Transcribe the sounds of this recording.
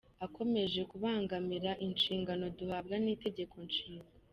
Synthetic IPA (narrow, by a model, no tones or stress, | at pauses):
akʰo̞me̞ʒe̞kuβaːŋɡamiɾaʔinʃiːŋɡano̞duhabɡaniːte̞ɟe̞kʰo̞nʃiːŋɡa